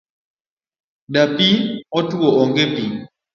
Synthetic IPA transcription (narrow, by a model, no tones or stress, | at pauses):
dapiɔtuwɔʔɔŋɡɛpiŋ